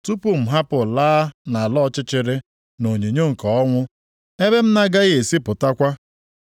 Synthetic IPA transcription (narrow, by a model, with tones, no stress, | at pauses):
tu˦pu˨m̩˨ɦa˦pʊ˨laː˦na˨a˨lɔ˦t͡ʃɪ˦t͡ʃɪ˨ɾɪ˦ | no˨ɲe˨ɲo˦ŋ̩˨kɔ˨ɔ˦ŋʷʊ˦ | e˦be˦m̩˦na˦ɡa˦ɣe˨si˦pʊ˨ta˦kʷa˦